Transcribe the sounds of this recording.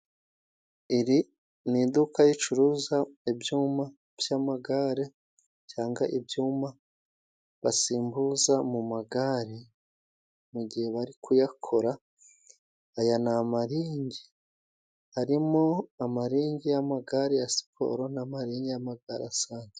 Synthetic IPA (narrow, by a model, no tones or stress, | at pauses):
iɾi | nid̪ukajit͡ʃuɾuːzaebjuːma | v̥jamaɡaɾe | caːŋɡaʔibjuːma | βasiːmbuzamumaɡaɾi | muɟihe̞βaɾikujakʰoɾa | janamaɾiːɲɟi | haɾimo̞amaɾiːɲɟijamaɡaɾejasi̥pʰo̞̰ɾo̞namaɾiːɲɟijamaɡaɾeasaːɲɟe